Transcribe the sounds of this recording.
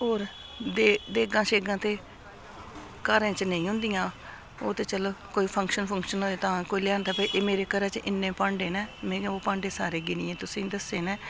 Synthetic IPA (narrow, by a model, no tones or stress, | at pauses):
oːɾ | d̪eːd̪eːɡãːʃeːɡãːt̪eː | kaːɾãːt͡ʃnəĩːɦʊ̃nd̪ijãː | oːt̪eːt͡ʃəloːkoːiːpʰə̃ŋkʃənpʰə̃ŋkʃənoːeːt̪ãːkoːiːlɛːnt̪ɛːpəiːʔeːmeːɾeːkəɾãːt͡ʃʔɪnːẽːpãːɳɖeːnɛːmeːoːpãːɳɖeːsaːɾeːɡɪnĩːẽːt̪ʊsĩːd̪əsːeːnɛː